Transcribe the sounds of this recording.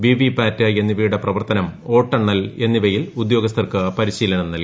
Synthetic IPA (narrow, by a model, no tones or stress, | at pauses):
biʋipaːtːɨenːiʋijuɽɐprɐʋɐrt̪ɐnɐmo̞ːʈːɐɳːɐle̞nːiʋɐjilud̪jo̞ːɡɐs̬t̪ʰɐrkɨpɐɾiɕiːlɐɳɐmnɐlk